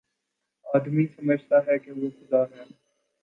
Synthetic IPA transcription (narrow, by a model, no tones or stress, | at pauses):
aːd̪misɐməd͡ʒʱt̪aɦɛkeʋokʊzaːɾɦɛː